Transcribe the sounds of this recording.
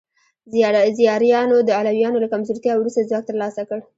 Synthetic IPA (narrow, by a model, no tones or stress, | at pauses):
zijɑɾjɑnod̪əalawjɑnolakamzoɾt̪jɑwɾust̪azwak̚t̪əɾlɑsakəɽ